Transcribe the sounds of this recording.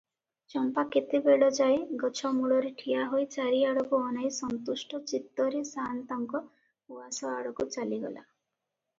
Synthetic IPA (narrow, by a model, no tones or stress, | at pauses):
t͡ʃɔmpaket̪ibeɽɔd͡ʒaeɡɔt͡ʃʰɔmuɽɔɾeʈʰiaɦojt͡ʃaɾiaɽɔkuɔnajsɔnt̪usʈɔt͡ʃit̪ːɔɾesant̪ɔŋkɔ | uasɔaɽɔkut͡ʃaliɡɔ̰la̰